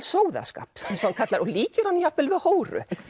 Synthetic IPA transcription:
soːwða̰ska̰ːpɛsankʰat̪laɾɔɣliːcɪɾhanːijapːɪlvɪðhoːwrʏ̰

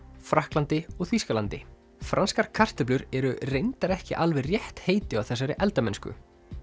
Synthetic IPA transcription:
fɾahklant̪ɪɔɣθiskalant̪ɪ̰ | fɾanskaɾ̥kʰar̥t̪ʏplʏɾɛɾʏrejnt̪aɾɛhcɪʔalvɛrjɛht̪heːjt̪ɪawθɛsːaɾɪʔɛlt̪amɛnskʏ̰

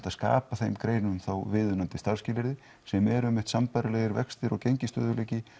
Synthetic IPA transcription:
t̪aðska̰ːpaθejmkɾeːjnʏmθawvɪːðʏnant̪ɪst̪aɾ̥scɪːlɪɾðɪ | sɛmɛɾʏmɪht̪sampajɾalɛːðɪɾvɛkst̪ɪɾɔɣcejɲcɪst̪œ̰ːðʏleːjcɪ

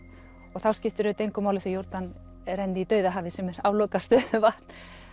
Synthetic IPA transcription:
ɔɣθawscɪft̪ʏɾʏt̪ejŋkʏmaːwlɪθijowɾt̪an | rɛjnt̪ɪit̪œːɥðaɦaːvɪsɛmɛɾaːwlɔːkast̪œvaht̪n̥

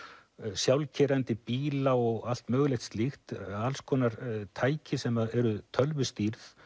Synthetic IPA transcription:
sjawlcʰɛɾɛnt̪ɪpiːlaɔɣal̥t̪mœːɣlɛxt̪st̪lixt̪alskʰɔːnaɾt̪ʰaːjcɪsɛmaðɛɾʏt̪ʰœlvʏst̪iɾθ

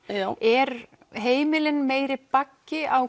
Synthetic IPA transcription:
ɛɾ | ɦeːjmɪlɪnmeːjɾɪpacːɪaw

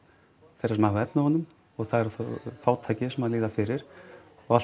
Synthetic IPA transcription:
θejɾasmahvɛpnaɦɔnːʏm | ɔɣθaðɛɾθfaːwt̪ʰaːjcɪsɛmaðliːðafɪɾɪɾ̥ | ɔɣa

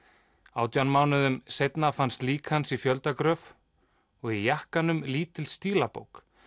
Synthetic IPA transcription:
awt̪janmaːwnʏðʏmsejt̪nafanst̪liːkhansifjœlt̪akɾœːf | ɔɣijahkanʏmliːt̪ɪlst̪iːlapo̰wk

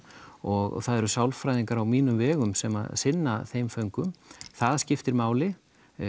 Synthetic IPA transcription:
ɔɣθaðɛɾʏsawlfɾajðiŋkaɾawmiːnʏmvɛːɣʏmsɛma̰ðsɪnːaθejmfœɥŋkʏmθaðscɪft̪ɪɾmaːwlɪ

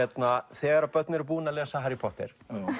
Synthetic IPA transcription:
ɛt̪naθɛːɣaɾapœt̪nɪɾʏpuːnalɛːsaɦɛɾipʰɔht̪ɛ̰ɾ̥

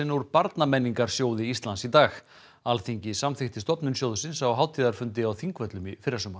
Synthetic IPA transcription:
ɪnuɾpaɾt̪namɛnːiŋkaɾ̥sjoːwðɪist̪lansit̪aːx | alθiɲcɪsamθɪxt̪ɪst̪ɔpnʏnsjowðʏsɪnsawɦaːwt̪ʰiːðaɾ̥fʏnt̪ɪawθiŋkvœt̪lʏmifɪɾasʏːma

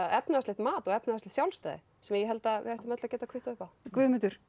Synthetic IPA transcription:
ɛpnɪast̪ɪht̪maːt̪ɔɣɛpnɪast̪ɪ̥ht̪jawlst̪œ̰ːðɪ̰ | sɛmajɛɦɛl̪t̪aɪ̰ðajht̪ʏmœt̪lacɛːt̪akʰvɪht̪ʏhpawkvʏːðmɪt̪ʏɾ̥

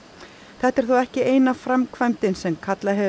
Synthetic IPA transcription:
θɛht̪ɛɾ̥θuɛhcɪeːjnafɾamkʰvajmt̪ɪnsɛmkʰat̪laɦɛ

